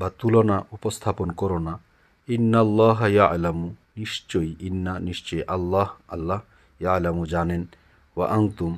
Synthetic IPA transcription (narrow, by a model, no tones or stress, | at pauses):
bat̪ulɔnaʔupɔst̪ʰapɔnkɔɾɔna | inːalːaːɦɐjaʕlamuniʃt͡ʃojʔinːaniʃt͡ʃɔjʔɐlːahɐlːah | jalamud͡ʒanen | waʔant̪um